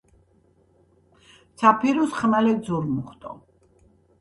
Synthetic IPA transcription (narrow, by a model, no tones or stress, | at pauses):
t̪sʰapʰiɾusχmalɛd̪zuɾmuχt̪ʼɔ̰